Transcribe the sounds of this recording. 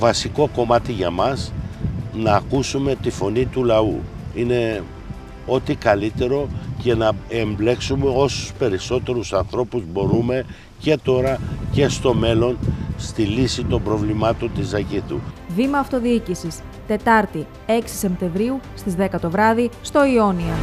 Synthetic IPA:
vɐsiko̞ko̞mɐt̪iʝɐmɐs | nɐːkusume̞t̪ifo̞nit̪ulɐṵ | ine̞ | o̞t̪ikɐlit̪e̞ɾo̞ce̞nɐemble̞ksume̞o̞su̥spe̞ɾiso̞t̪e̞ɾusɐnθɾo̞puzbo̞ɾume̞ | ce̞t̪o̞ɾɐce̞st̪o̞me̞lo̞nst̪ilisit̪o̞mbɾo̞vlimɐt̪o̞nt̪izɐcit̪ṵvimɐːft̪o̞ðiicisis | t̪e̞t̪ɐɾt̪i | e̞ksi̥sempt̪e̞ɱvɾiust̪izðe̞kɐt̪o̞vɾɐðist̪o̞io̞niɐ

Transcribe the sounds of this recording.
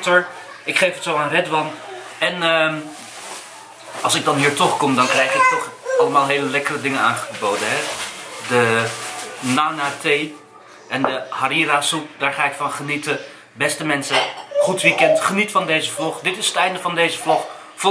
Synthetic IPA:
təɹ | ɪkχejfətsowaːnrɛdʋɑn | ɛnə | ɑlˠsɪɡ̚dɑnɦiːɹtɔχkɔmdɑnkrɛjχɪk̚tɔχɑlˠəmaːlˠɦejləlɛkərədɪŋəaːnχəbowdənɦɛdə | naːnaːtej | ʔɛndəhaɾiːraːsup̚daːɹχaːɪkfɑnχənitə | bɛstəmɛnsəχutʋikɛntχənitfɑndejzəvloχdɪtɪsətɛjndəvɑndejzəvloχ | f

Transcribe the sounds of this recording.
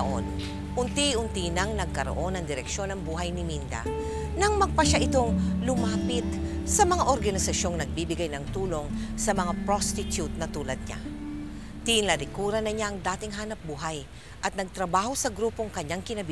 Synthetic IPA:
ʔo̰n | ʔʊnt̪iʊnt̪inɐŋnɐɡ̚kɐɾoʔo̞nɐŋd̪ɪɾɛkʃo̞nɐŋbuːɦɐjnɪmind̪ɐ̰ | nɐŋmɐɡ̚pɐʃaʔɪt̪o̞ŋlʊmaːpɪt̪̚sɐmɐŋaʔoɾɡɐnɪsɐʃo̞ŋnɐɡ̚bibɪɡajnɐŋt̪uːlo̞ŋsɐmɐŋapɾost̪ɪt̪jut̪̚nɐt̪uːlɐd̪̚ɲa̰ | t̪inlɐɾɪkuːɾɐnɐɲaʔɐŋd̪aːt̪ɪŋɦaːnɐp̚buːɦɐj | ʔɐt̪̚nɐɡ̚t̪ɾɐbaːhosɐɡɾuːpo̞ŋkɐɲːaŋkɪnɐbi

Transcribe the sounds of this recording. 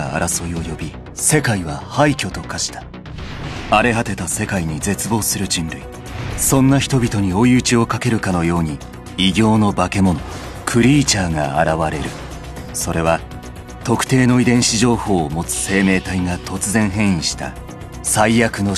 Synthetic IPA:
a̰a̰ɾaso̞io̞jo̞bʲi | se̞kaiβahaikʲo̞t̪o̞kaɕi̥t̪ḁ | aɾe̞ɦat̪e̞t̪ase̞kaiɲ̟id͡ze̞t͡sɨbo̞ːsɨɾɯ̟d͡ʑĩnɾɯi | sõ̞nːaçi̥t̪o̞bʲit̪o̞ɲ̟io̞jɯt͡ɕio̞kake̞ɾɯ̟kano̞jo̞ːɲ̟i | iɡʲo̞ːno̞bake̞mo̞no̞ | kʰɯ̟ɾʲiːt͡ɕaːŋa̰a̰ɾaβaɾe̞ɾɯ̟ | so̞ɾe̞β̞a | t̪o̞kɯ̥t̪e̞ːno̞id̪ẽ̞ɰ̃ɕiʑo̞ːho̞ːmo̞t͡sɨ̥se̞ːme̞ːt̪aiŋat̪o̞t͡sɨzẽ̞ɰ̃ɦẽ̞ɰ̃ĩɕi̥t̪a̰ | saijakɯ̟no̞

